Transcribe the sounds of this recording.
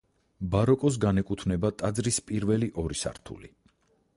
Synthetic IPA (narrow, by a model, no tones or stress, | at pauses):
baɾɔkʼɔs̬ɡanɛkʼut̪ʰvnɛbat̪ʼad̪zɾispʼiɾvɛliʔɔɾisa̰ɾt̪ʰṵli